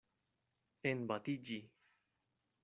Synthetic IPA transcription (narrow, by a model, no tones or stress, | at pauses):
enbat̪id͡ʒi